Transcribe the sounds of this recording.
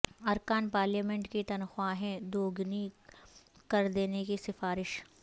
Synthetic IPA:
ɐɾkaːnpaːɾljaːmɛ̃ɳʈkit̪ɐnxwaɦɛ̃d̪oːɡni | kɐɾd̪eːnekisɪfaːɾɪʃ

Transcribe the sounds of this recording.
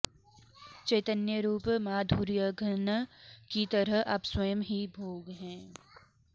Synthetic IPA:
t͡ʃɐːt̪ənjəɾuːpmaːd̪ʱuːɾjəɡʱənkit̪ɐɾəɦɐ̰pswɐjəmɦibʱoːɡɦɛ̃ː

